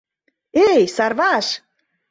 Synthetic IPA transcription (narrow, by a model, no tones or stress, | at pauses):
ejsɑrvɑʃ